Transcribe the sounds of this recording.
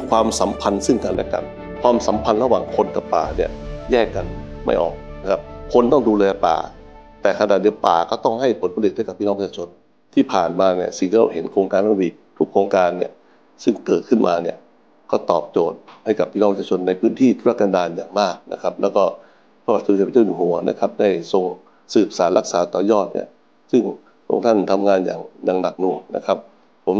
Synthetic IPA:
kʰwaː˧msa˨˩˦mpʰa˧nsɯ˥˩ŋka˧nlɛ̰˥ka̰˧n | kʰwaː˧msa˨˦mpʰa˧nɾa˧waː˨˩ŋkʰo˧nka˨˩pːa̰ː˨˩ni˥˩ɐjɛː˥˩kːa˧nma̰˥˩jʔɔ̰ː˨˩k̚na˦kʰa˦˥p̚kʰo˧nt̪ɔ˥˩ŋduː˧lɛː˧pa̰ː˨˩ | t̪ɛː˨˩kʰa˧naː˨˩di˧˦əwpa̰ː˨˩kɔː˥˩t̪ɔ˥˩ŋɦa˥˩jpʰo˨˦npʰa˧di˨˩t̚a˥˩ka˨˩pʰːiː˥˧ɔ˥˩˧pʰːt͡ɕːaː˧o˧n | t̪ʰiː˥˩pʰaː˨˩nmaː˧ni˥˩ɐsi˨˩ŋt̪ʰiː˧a˧wɦe˨˦nkʰoː˧ŋkaː˧nɔ˥˩wiː˧˩ | t̪ʰu˦˥kʰːoː˧ŋkaː˧nːḭ˥˩ɐ | sɯ˥˩ŋkɤː˨˩t̪̚kʰɯ˥˩nmʔaː˧ni˥˩ɐ | kɔː˥˩t̪ɔ̰ː˨˩p̚t͡ɕoː˨˩t̪̚ha˥˩jka˨˩pʰːiː˥˩ɔ˧˥˧pt͡ɕʰaː˧t͡ɕʰo˧nːa˧jpʰɯː˦˥nt̪ʰiː˥˩t̪ʰu˥ɾa˦˥˩kːaː˧ndaː˧njaː˨˩ŋmaː˥˩k̚nʔa̰˦˧kʰa˦˥p̚lɛː˦˥wkɔː˥˩ | pʰɾa˧wa˨˩t̪̚ʰo˧i˨˩pa˧t͡ɕaː˥˩nu˧˩ɦu˩˦ɐnʔa̰˧˩kʰa˦˥p̚da˥˩jso˧ŋ | sɯː˨˩p̚saː˩˦nlʔa˦˥k̚saː˩˦t̪ɔː˨˩jɔː˥˩t̪̚nḭ˥˩ɐ | sɯ˥˩ŋ | kʰo̰˧ŋt̪ʰa˥˩nt̪ʰa˧mŋaː˧nja̰ː˨˩ŋjaː˨˩ŋna˨˩k̚nu˨˩əŋna̰˦˥kʰa˦˥p̚ʰː | o˩˦m

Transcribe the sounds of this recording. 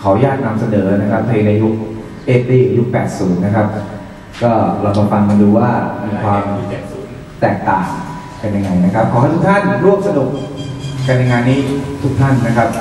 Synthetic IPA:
kʰa˩˦wjaː˥˩k̚na˧msa˧nɤː˩˦na˦˥kʰa˦˥p̪̚ːʰa˧ji˧na˧ju˦˥k̚ | ʔeː˦˥˩p̚t̪iː˥˩ju˦˥k̚pɛ̰ː˨˩t̪̚suː˩˦nːa˦˥kʰa˦˥p̚ | kɔː˥˩ɾa˧wb̪ɔ˧ŋfa˧nma˧duː˧waː˥˩miː˧kkʰwaː˧m | t̪ɛː˨˩k̚t̪aː˨˩ŋ | ka˧nja˧ŋːa˧jna˦˥kʰa˦˥p̚kʰɔː˨˦ka˥˩t̪ʰu˥k̚t̪ʰa˥˩nɾu˥˩əkm̚sa˧du˨˩ək̚ka˧nja˧ŋaː˧nːiː˦˥˩t̪ʰu˦˥k̚t̪ʰa˥˩nːa˦˥kʰa˦˥p̚

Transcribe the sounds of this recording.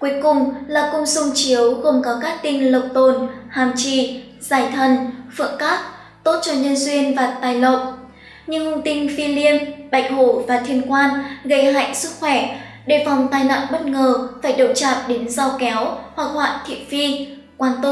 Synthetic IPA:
kwu˨˦əjkʊ˨˩ŋ͡mlaː˨˩kʊ˧ŋ͡msʊ˧ŋ͡mt͡ɕi˨˦əwɣo˨˩ŋ͡mkɔ˨˦kaː˦˥k̚t̪ï˧ŋlə˨˩k͡p̚t̪o˨˩nhaː˨˩mt͡ɕḭ˧˩ | z̥aː˧˩jt̪ʰə˨˩nfɨ̰˧˨əŋkaː˦˥t̚ | t̪o˦˥t̚t͡ɕɔ˧ɲə˧nzwi˧ənvaː˨˩t̪aː˨˩jlə˨w̚ | ɲɨ˧ŋhʊ˧ŋt̪ï˧ŋ̟fi˧li˧ənɓa̰˧˨jŋ̟ho˧˩vaː˨˩t̪ʰi˧˩ənkwaː˧nɣə˧˩jɦa̰˧˨ŋsɨ˦˥k̚xwɛ˧˩ | ɗe˧˩va˨˩wŋ͡mt̪aː˨˩jna̰ː˧˨nɓə˦˥t̚ŋəː˨˩faː˧˩jɗo˧˩wt͡ɕaː˨˩t̚ɗe˨˦nza˧wkɛ˨˦whwa˨˩k̚hwa̰ː˧˨nt̪ʰḭ˧˨əmfi˧ | kwaː˧nt̪ə˧˩

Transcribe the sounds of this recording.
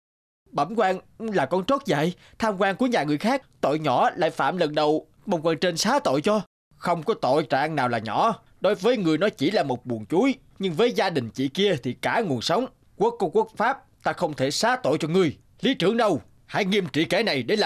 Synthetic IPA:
ɓə˧˩mkwaː˧nlaː˨˩kɔ˨˧˦nt͡ɕo˦˥t̚za̰˧˨j | t̪ʰaː˧mkwaː˧ŋku˧˩əɲaː˨˩ŋɨ˨˩əjxaː˦˥k̚t̪o̰˧˨jɲɔ̰˧˩˨la̰ː˧˨jfa̰ː˧˨mlə˨˩nɗə˨˩w | ɓə˨˧˩ŋ͡mkwaː˧nt͡ɕe˧nsaː˨˦t̪o̰˧˨jt͡ɕɔ˧ | xə˧wŋ͡mkɔ˨˦t̪o̰˧˨jt͡ɕa̰ː˧˨ŋnaː˨˩wlaː˨˩ɲɔ̰˧˩˦ | ɗo˨˦jvəː˨˦jŋɨ˨˩əjnɔ˨˦t͡ɕi˧˩laː˨˩mo˨˩t̚ɓu˨˩nt͡ɕu˨˦j | ɲɨ˧ŋvəː˨˦jzaː˧ɗï˨˩ŋ̟t͡ɕḭ˧˨ki˧ət̪ʰi˨˩kaː˧˩ŋu˨˩ənsa˨˦wŋ͡m | ku˧˦˥əkːɔ˧˦ku˦˥ək̚faː˦˥p̚t̪aː˧xə˧wŋ͡mt̪ʰe˧˩saː˨˦t̪o̰˧˨jt͡ɕɔ˧ŋɨ˨˩əj | li˨˦t͡ɕɨ̰˨˧˩əŋɗə˧w | ha̰ː˧˥˦jŋi˧mt͡ɕḭ˧˨kɛ˧˩˦na˨˩jɗe˨˧˦la˨

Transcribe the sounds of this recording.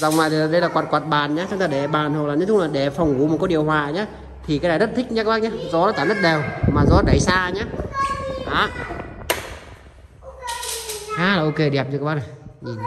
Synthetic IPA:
za̰˧˨wŋ͡mvaː˨˩˨ɗə˧jlaː˨˩kwa˨˩t̚kwaː˨˩t̚ɓaː˨˩nɲaː˨˦t͡ɕ̪ʰə˧˦ŋt̪ʰːɗe˧˩ɓaː˨˩nho˨˩laː˨˩nɨ˨˦˥tʰʊ˧˦˥laː˨˩ɗe˧˩fɔ˨˩wŋ͡mʔṵ˨˦m˨˩t̚kɔ˨˧˦ɗi˨˩əwɦwaː˨˩ɲaː˨˦ | t̪ʰi˨˩kaː˨˦jnaː˨˧˩zə˦˥t̚t̪ʰï˦˥k̚ɲaː˧˦kːɓaː˧˩ɲaː˧˦zɔ˨˦aː˨˦t̪aː˧˦zə˦˥t̚ɗɛ˨˩wmaː˨˩zɔ˨˦˩ɗə˨˧˩jsaː˧ɲaː˨˦˥ | ʔa˨˦ | haː˨˦laː˨˩ʔo˧ke˧˩ɗi˨˩p̚zkːɓaː˧˥n˨˩

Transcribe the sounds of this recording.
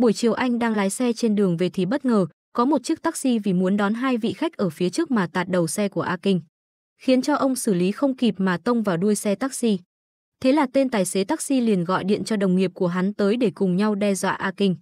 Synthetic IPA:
ɓu˧˩əjt͡ɕi˨˩əwʔa˧jŋ̟ɗaː˧ŋlaː˨˦jsɛ˧t͡ɕe˧nɗɨ˨˩əŋve˨˩t̪ʰi˨˩ɓə˦˥t̚ŋəː˨˩ | kɔ˨˦mo˨˩t̚t͡ɕɨ˦˥k̚t̪aː˦˥k̚si˧vi˨˩mu˨˦ənɗɔ˨˦nɦaː˧jvḭ˧˨xa˦˥jk̟̚ʔəː˧˩fi˨˦ət͡ɕɨ˦˥ək̚maː˨˩t̪aː˨˩t̚ɗə˨˩wsɛ˧ku˧˩əʔaː˧kï˧ŋ̟ | xi˨˦ənt͡ɕɔ˧ʔə˧wŋ͡msɨː˧˩li˨˦xə˧wŋ͡mki˨˩p̚maː˨˩t̪ə˧wŋ͡mvaː˨˩wɗu˧əjsɛ˧t̪aː˦˥k̚si˧ | t̪ʰe˨˦laː˨˩t̪e˧nt̪aː˨˩jse˨˦t̪aː˦˥k̚si˧li˨˩ənɣɔ̰˧˨jɗḭ˧˨ənt͡ɕɔ˧ɗə˨˩wŋ͡mŋi˨˩əp̚ku˧˩əɦa˨˦nt̪əː˨˦jɗe˧˩kʊ˨˩ŋ͡mɲa˧wɗɛ˧zwa̰ː˧˨ʔaː˧kï˧ŋ̟

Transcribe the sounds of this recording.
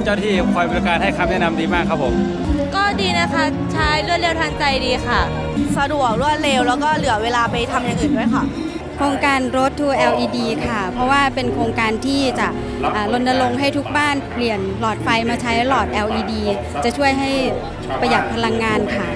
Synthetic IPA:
t͡ɕaː˥˧˩t̪ʰiː˥˩kʰɔː˧jbɔ˧kaː˧nha˥˩jkʰa˧˥mnɛː˥˩˨na˧mdiː˧maː˥˩kʰːpʰːo˩˦m | kɔː˥˩diː˧na˦˥kʰa˦˥ | t͡ɕʰaː˥˦˥jlɯ˥˩leː˧wt̪ʰaː˧ŋt͡ɕa˧jdiː˧xʰa˥˩ | sa˧du˨˩ək̚lɯ˦˥wa˥˩leː˧wlɛː˦˥wkɔː˥˩lɯ˨˩˦ɐweː˧laː˧pa˧jt̪ʰa˧mja˨ŋʔɯː˧˩ndu˥˩əjkʰa˥˩ | kʰɾoː˧ŋkaː˧nɾo˦˥t̪ʰːuː˧ʔɛː˧wʔiː˧diː˧kʰa˥˩pʰɾɔ˦˥waː˥˩pe˧nkʰɾoː˧ŋkaː˧nt̪ʰiː˥˩t͡ɕa˨˩ʔ | ʔaː˨˩lo˧nna˧lo˧ŋɦa˥˩jt̪ʰu˦˥k̚baː˥˩npli˨˩ənlɔː˨˩t̪̚pa˧jmaː˧t͡ɕʰa˦˥jlɔː˨˩t̪̚ʔɛː˧wʔiː˧diː˧ | t͡ɕa˨˩ʔt͡ɕʰu˥˩əjɦa˥˩jʰ | k̚pa˧ja˨˩t̪̚pʰa˧la˧ŋːaː˧nkʰa˥˩

